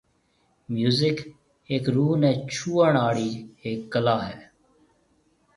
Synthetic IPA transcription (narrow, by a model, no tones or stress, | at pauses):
mjuːzɪk | eːkɾuːnɛ̃ːt͡ʃʰuːəɳaːɽiːeːkːəlaːɦɛː